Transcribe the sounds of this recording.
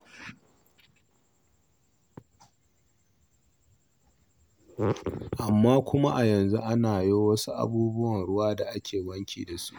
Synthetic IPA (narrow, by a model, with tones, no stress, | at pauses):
ʔa˨mːaː˦kʷʊ˦ma˦ʔa˨jɐ˨nzu˦ʔa˦naː˨joː˦wɐ˦su˦ʔa̰˨buː˦bʊ˦wɐ˨nɽʊ˦waː˦da˨ʔa˦kʲʰeː˨wɐ˦ŋkʲḭː˨da˨sṵ˦ʔ